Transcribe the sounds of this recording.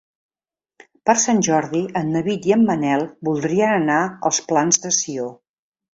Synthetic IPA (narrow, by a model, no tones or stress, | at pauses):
pəɾsanʲʒɔɾðiənːəβit̪iəmːənɛlˠbulˠd̪ɾiənənaəlˠsplanzðəsio